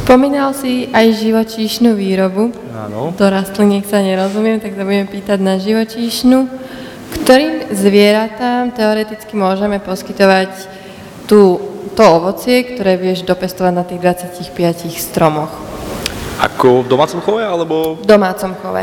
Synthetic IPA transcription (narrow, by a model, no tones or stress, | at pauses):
spɔmiːnalsiʔajʒiʋɔt͡ʃiːʃnuʋiːɾɔbu | a̰nt̪ɔɾast̪lɛɲɪɛksaɲɛɾɔzumɪɛmt̪aksabuɟɛmɛpiːt̪aɟnaʒiʋɔt͡ʃiːʃnu | kt̪ɔɾiːmzʋɪɛɾat̪aːmt̪ɛɔɾɛt̪it͡skimʊɔʒɛmɛpɔskit̪ɔʋac | t̪uːt̪ɔɔʋɔt͡sɪɛkt̪ɔɾɛːʋɪɛʒd̪ɔpɛst̪ɔʋaɟnat̪iːɣd̪ʋat͡sɪacixpɪacixst̪ɾɔmɔx | a̰kɔvd̪ɔmaːt͡sɔmxɔʋɛalɛbɔd̪ɔmaːt͡sɔmxɔ̰ʋɛ̰